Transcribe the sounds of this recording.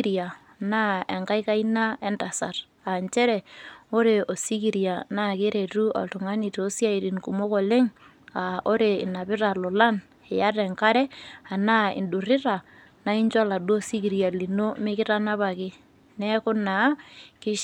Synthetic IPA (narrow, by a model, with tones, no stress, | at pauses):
ɾa˨ | na˦ɛ˨ŋka˦i˦ka˦ina˦ɛ˦nta˨sa̰˨r | a˨nt͡ʃɛ˦ɾɛ˨o˦ɾe˨ʔo˨si˦ki˨ɾja˨na˦˨ke˦ɾe˨tu˦a̰˨ltu˨ŋa˦ni˨to˦sja˦i˨ɾi˨nku˨mo˦kɔ˨le˦ŋ | a˨o˦ɾe˨ɪ˨na˨pɪ˦ɾa˨lɔ˨la˦n | ɛ˨ja˦rɛ˨ŋka˦ɾɛ˦a˨na˦ɪ̰˨ndu˨rɪ˦ɾa˨ | na˦i˦ɲt͡ʃa˦la˨du˦o˦si˦ki˨ɾja˨li˨no˦mɪ˦kɪ˦ɾa˦na˦βa˨kɪ˦ | nɛ˦kʊ˦na˨˦kɪ˦ʃ